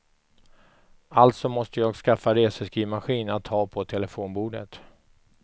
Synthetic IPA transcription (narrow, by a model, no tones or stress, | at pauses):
alt̪sɔmɔst̪əjɑːɡskafːaɾeːsəskiːmaɧiːnat̪ʰːɑːpʰɔt̪ʰɛləfoːnbuːɖə̰t̪